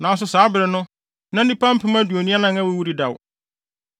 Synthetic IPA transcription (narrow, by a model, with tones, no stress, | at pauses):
nãː˨˦s̬ʊ˦saː˨˦bɪ˨ɾɪ˨nʊ̃˦ | nã˦n˦dĩ˦pã˦m̩˦pʰɪ̃˦mã˦du˨o˨nĩ˦a˦nã˦˨ŋã˦wʊ˦wu˦ɾi˦da˨w